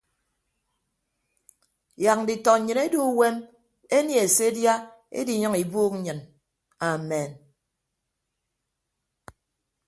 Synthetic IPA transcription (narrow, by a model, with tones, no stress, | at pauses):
ja˨k̚ŋ˨di˨tɔ˨ɲ̩˨ɲɨ˨ne˦du˦we˦m | e˦nje˨e˨se˦dja˦ | ḛ˦di˨˦ɲɨ˦ŋi˨buː˦k̚ŋ̩˦ɲɨ˨n | a˨me˨n